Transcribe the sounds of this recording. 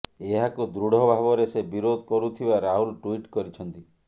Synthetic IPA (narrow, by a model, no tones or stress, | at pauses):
eɦakud̪ɾuɽ̤ʱɔbʱaβɔɾesebiɾod̪ʱɔkɔɾut̪ʰibaɾaɦulʈuiʈkɔɾit͡ʃʰɔnt̪i